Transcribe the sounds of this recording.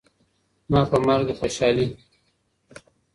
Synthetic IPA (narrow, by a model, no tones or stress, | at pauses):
mɑːpəmaɾɡxoʃɑːli